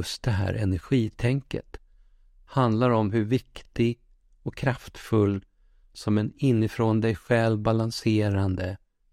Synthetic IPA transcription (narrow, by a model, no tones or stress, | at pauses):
ɵst̪̚d̪ɛɦæ̰ːɾʔɛ̰næɾɧiːt̪ʰɛŋkə̰t̪ | hand̪laɾɔmɦɵɾvɪkt̪ɪɡ | ɔkʰɾaft̪fɵlː | sɔmɛnɪnːɪfɾond̪ɛjɧɛlvbalanseːɾand̪ə